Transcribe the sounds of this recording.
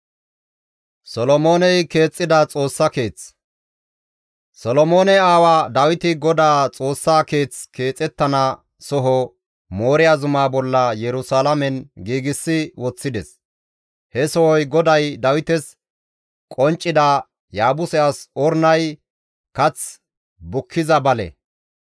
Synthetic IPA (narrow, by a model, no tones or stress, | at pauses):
sɔlɔmo̞ːnɛjke̞ːt͡sʼːɪd̪ɐt͡sʼo̞ːsːɐke̞ːt͡s | sɔlɔmoːnɛaːwaːd̪ɐwɪt̪ɪɡɔd̪aːt͡sʼo̞ːsːaːke̞ːt͡skʰe̞ːt͡sʼːɛt̪ːɐnɐ | sɔɦɔ | mo̞ːɾɪjazʊmaːbɔlːɐjɛɾʊsaːlɐmɛnɡiːɡɪsːɪwɔt͡sːɪd̪ɛs | hɛsɔwɔjɡɔd̪ɐjd̪ɐwɪt̪ɛs | kʼɔnt͡ʃʼːɪd̪ɐ | jaːbʊsɛʔasɔɾnɐj | kɐt͡s | bʊkʰːɪzɐbɐlɛ̰